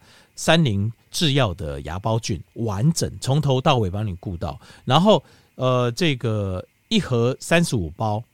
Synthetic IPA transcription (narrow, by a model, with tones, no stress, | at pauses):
sa˦˥nli˧˥ŋ | ʈ͡ʂɻ̩˥˧jɑ˥˨ʊd̪ə̰˩ja̰˧˥pɑ˦ʊt͡ɕy˥˨˩nwa˧˦nʈ͡ʂə̰˨˩ŋt͡sʰɔ˧˦ŋt̪ʰo˧˦ʊt̪ɑ˥˨ʊwe˨˩ɪpɑ˦ŋni˨˩ku˥˧t̪ɑ̰˥˩ʊna˧˦nxo˥˨ʊ | ə˨˩ʈ͡ʂɤ˥˧ɡə˩ | i˥˩xɤ˧˥sa˦nʂɻ̩˨˦˥u˨˩pɑ˦˥ʊ